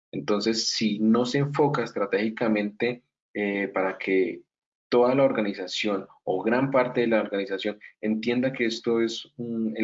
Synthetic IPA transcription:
e̞nt̪o̞nse̞sːino̞se̞ːɱfo̞kaest̪ɾat̪e̞xikamẽ̞nt̪e̞ | epaɾakʰe̞ | t̪o̞ðalao̞ɾɡanisasjo̞n | oɣɾampaɾt̪e̞ðelaoɾɡanisasjo̞ne̞nt̪je̞nd̪ake̞est̪o̞e̞sune

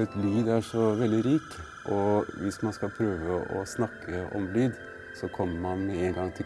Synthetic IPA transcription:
ɛt̪lyːd̪æʂɔʋɛld̪ɪɾiːk | ʔɔʋɪsmɑnskɑlpʰɾøːʋəʔɔ̰snɑkːəɔ̰mlyːd̪ | sɔkʰɔmːəmɑnmɛeːnɡɑŋt̪ʰɪ

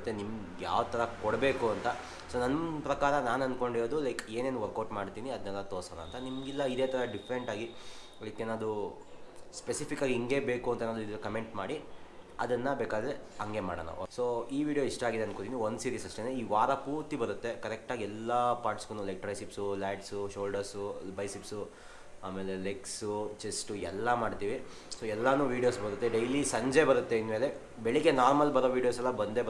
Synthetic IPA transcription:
t̪ːenimɡja̰ːʋɐd̪t̪ʰɐɾɐkɔɽbe̞ːkuɐnt̪ɐ | soːnɐnːpɾɐkaːɾɐnaːnɐnd̪̚ko̞ɳɖiɾoːd̪ulɐjke̞ːneːnʋɐɾkɐːʈmaːɽt̪iːniɐd̪ɐnɛlːɐt̪oːsɐːlɐ̰ːnt̪ɐnimɡilːɐid̪eːt̪ʰɐɾɐɖipʰɾeɳʈaːɡi | lɐjkenaːd̪u | spesipʰikːaːɡiiŋɡe̞beːkuɐnt̪ɐenaːd̪uid̪ɐɾɐkɐme̞ɳʈmaːɽi | ɐd̪ɐnːɐbeːkaːd̪ɐɾeɐŋɡe̞ma̰ːɽɐ̰ːnɐ̰soːiːʋiːɖijo̞iʂʈɐaːɡid̪eɐnkot̪iniond̪usiːɾiːsɐʂʈeneiːʋaːɾɐpuːɾt̪ibɐɾut̪ːe̞kɐɾɛk̚ʈaːɡiɛlːɐpaːɾʈsɡunulek̚ʈɾɐjsipsulaːʈsuʃoːlɖɐɾsubɐjsipsu | aːmeːle̞leksut͡ʃesʈuɛ̰lːɐmaːɽt̪iːʋi | soːɛlːɐnuːʋiːɖijo̞ːsbɐɾut̪ːe̞ɖejlisɐɲd͡ʒebɐɾut̪ːeinmeːle | beɭike̞naːɾmɐlbɐɾoːʋiːɽijo̞ːsɛlːɐbɐnd̪eb

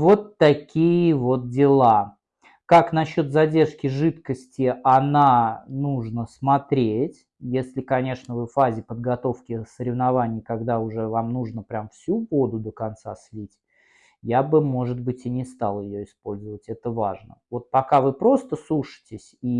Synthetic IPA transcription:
vo̞t̪ːɐkʲijɪvo̞t̪̚dʲɪlˠa | kakn̪ɐɕːo̞t̪zɐdʲe̞rʂkʲɪʐɨt̪kəsʲtʲɪʔɐnanuʐnəsmɐt̪ɾʲetʲ | jesʲlʲɪkɐnʲe̞ʂnəvɨfazʲɪpəd̪̚ɡɐt̪o̞fkʲɪsəɾʲɪvnavanʲɪjkɐɡd̪aʊʐɛvamnuʐnəpɾʲamfsʲuɡo̞d̪ʊd̪əkɐnt̪saslʲitʲ | jabɨmo̞ʐɨd̪̚bɨtʲɪnʲɪst̪alˠjɪjoɪspo̞lʲzəvətʲɛt̪əvaʐnə̰vo̞t̪̚pɐkavɨpɾo̞st̪əsluʂɨ̥tʲɪsʲi

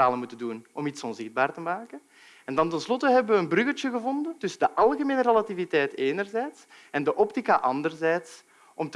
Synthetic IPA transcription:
aːləmutəndunɔmitsɔnzɪɣd̚baːrtəmaːkə | ɛndɑntɛnslɔtəɦɛbəʋəənbrʏɣət͡ʃəɣəvɔndəntʏsədəʔɑlˠɣəmeːnərəlativitɛjteːnərzɛːjts | ɛndəʔɔptikaʔɑndərzɛːts | ʔɔmt

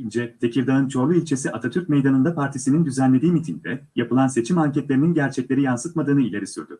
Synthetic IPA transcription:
ind͡ʒɛt̪ʰe̞cʰiɾd̪aɯnt͡ʃʰo̞ɾlˠuilʲt͡ʃʰe̞siʔat̪ʰat̪ʰyɾc̚me̞jd̪anɯnd̪apʰaɾt̪ʰisinind̪yzænlʲed̪iːmit̪ʰiɲd̪ɛjapɯlˠanse̞t͡ʃʰimaɲcɛt̪lʲeɾininɟæɾt͡ʃʰɛclʲe̞ɾijansɯt̪mad̪ɯːnɯilʲe̞ɾisyɾd̪y

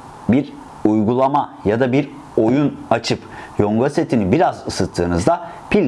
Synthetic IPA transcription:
biɾ | ujɡulˠamajad̪abiɾ | o̞junat͡ʃʰɯpjoŋɡoset̪ʰinibiɾazɯsɯt̪ʰːɯːnɯzd̪a | pilʲ

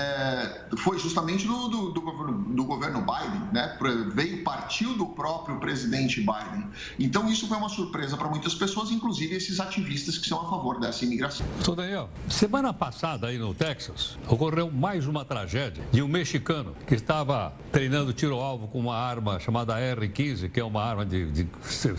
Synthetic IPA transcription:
ɛ | fojʒust̪ɐmẽnt͡ʃɪd̪ʊd̪ʊd̪ʊɡoveɾnʊd̪ʊɡoveɾnʊbajd̪ẽnɛpɾɛvejʊpaɾt͡ʃiwd̪ʊpɾɔpɾjʊpɾezid̪ẽnt͡ʃɪbajd̪ẽ | ẽnt̪ɐ̃w̃isʊfojũmɐsuɾpɾezɐpɾɐmũj̃t̪ɐspesoɐzĩŋkluzivɪesɪzat͡ʃivist̪ɐskɪ̥sɐ̃w̃afavoɾd̪ɛsɐimiɡɾasɐ̃st̪od̪ɐ̃jaw | semɐ̃nɐpasad̪ɐainʊt̪ɛksɐs | okorewmajzũmɐt̪ɾa̰ʒɛd͡ʒiɐd͡ʒɪũmeʃikɐ̃nʊ̰kɪst̪avɐ | t̪ɾejnɐ̃nd̪ʊt͡ʃiɾoawvʊkõũmɐaɾmɐʃamad̪ɐɛʁɪkĩzɪkɪɛũmɐaɾmɐd͡ʒɪd͡ʒɪse

